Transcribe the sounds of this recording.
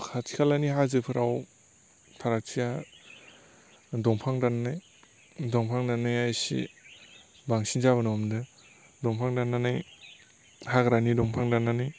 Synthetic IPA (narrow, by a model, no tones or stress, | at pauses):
kʰatʰikʰalaniɦazɯpʰɯɾʔaw | tʰaɾak̚sija | dɔŋpʰaŋdananaj | dɔŋpʰaŋdanajajsḭ | baŋsinzabɯnɔmdɯ | dɔŋpʰaŋdanːanɯj | hakɾanidɔŋpʰaŋdanːanɯj